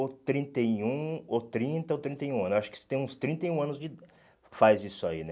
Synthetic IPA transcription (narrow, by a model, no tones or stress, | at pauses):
ot̪ɾĩnt̪eiũot̪ɾĩnt̪ɐot̪ɾĩnt̪ejũɐ̃nzaʃʊ̥kɪ̥se̥t̪ẽj̃ũst̪ɾĩnt̪ɐjũɐ̃nʊzd͡ʒɪ | fajzisʊainɛ